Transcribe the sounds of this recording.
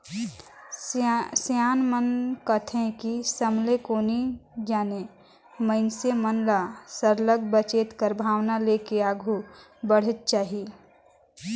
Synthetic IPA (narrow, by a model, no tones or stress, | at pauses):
sjaːnmənkət̪ʰẽkisəmlekoːnid͡ʒaːne | məɪnsemənlasəɾləɡ̚bət͡ʃeːt̪kəɾbʱaːʋnalekeaːɡʱu | bəɽ̤ɪt̪̚t͡ʃaːɦie